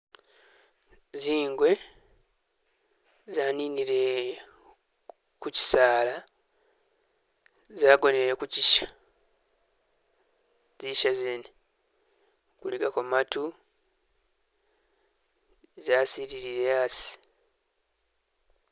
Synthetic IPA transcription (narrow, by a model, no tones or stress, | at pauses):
ziːŋɡwe̞ | zaːniːniɾe̞ | kuci̥saːla | zaːɡo̞neɾe̞kuciʃḁ | ziʃazeːne | kuliɡakomatu | zaːsiɾiɾiɾeasi̥